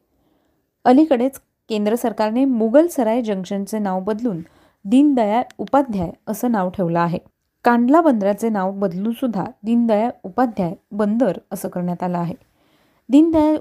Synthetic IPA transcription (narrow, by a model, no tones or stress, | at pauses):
əlikəɽet͡s | kend̪ɾəsəɾkaɾnemuɡəlsəɾajd͡ʑəŋkʂənt͡senaʋbəd̪luːn | d̪iːnd̪əjaupad̪ʱjajəsəːnaʋʈʰeʋləaɦe | kãɳɖlabənd̪ɾat͡senaʋbəd̪luːnsud̪ʱːa̰d̪iːnd̪əjaupad̪ʱjajbənd̪əɾəsəːkəɾɳjat̪aləaɦe | d̪iːnd̪əja